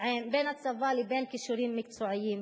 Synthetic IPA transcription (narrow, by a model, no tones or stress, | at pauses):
ʕeːmbeːnat̪savaːlibeːnkɪʃuɾiːnmɪk̚t̪suːʕɪjːiːn